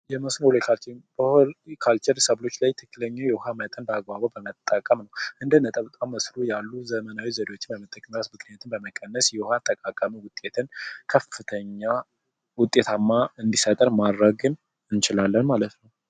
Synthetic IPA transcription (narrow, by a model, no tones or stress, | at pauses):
jɛməsnolojkʰalt͡ʃbəkʰalt͡ʃɛɾsəβlo̞t͡ʃːlajt̪ʰɨkːɨləɲːawjɛʊɦamət̪ʼənbəaɡwaβabəmət̪ʼːəkʼːəmnəwʔɨnd̪ənət̪ʼəβət̪ʼamːəslujalːuzəmənawizəɾeot͡ʃːɪnbəmət̪ʼːəkʼmɾasmɨkʰnjat̪ʰɨnbəməkʼːənːəsjɛhʊhat̪ʼːəkʼakʼamiwʊt̪ʼe̞t̪ʰɨnkʰəfːɨt̪ʰəɲːa | wʊt̪ʼːe̞t̪ʰamːaɨnd̪isət̪ʼəɾmad̪ɾəɡɨn | ɨnt͡ʃɪlalːənmalət̪nəw